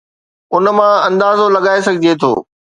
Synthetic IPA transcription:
ʊnə̆mãɐ̃nd̪aːzolɐɠaːes̬ɐɡʱɪd͡ʑet̪ʰo̰ː

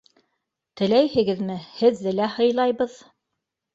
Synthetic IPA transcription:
t̪ɘ̆læjhɘ̆ɡɘ̆ðmɘhɘ̆ðːɘlæhɤ̆jlˠɑjβɤð

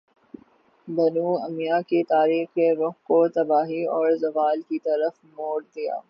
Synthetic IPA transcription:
bɐnuːɐmijaket̪aːɾiːxkeɾʊxkot̪ɐbaːɦiɔːɾzɐʋaːlkit̪ɐɾəfmoːɽd̪ija̰ː

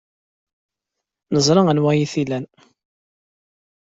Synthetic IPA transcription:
nəzˤɾˤɑənwæjiθilæn

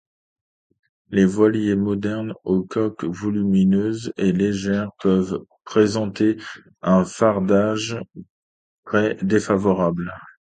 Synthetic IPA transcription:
levwaljemɔd̪ɛʁnokʰɔkvɔlyminøzeleʒɛʁpœvpχezɑ̃t̪e | ɛ̃faʁd̪aʒ | t̪χɛd̪efavɔʁabl

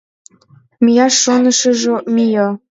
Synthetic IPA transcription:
mijɑʃːonə̆ʃə̆ʒomijo

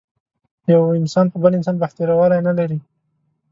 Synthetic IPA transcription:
jawɪnsɑnpəbəlɪns̬ɑnbaht̪eɾawɑlajnalaɾi

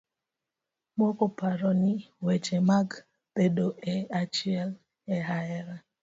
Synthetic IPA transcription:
mokopaɾɔnɪwet͡ʃemaɡ | tedoʔɛat͡ʃiɛl | ɛɦaɛɾa

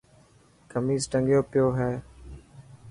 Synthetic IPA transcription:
kəmiːzʈəŋɡjoːpɪjoːɦɛː

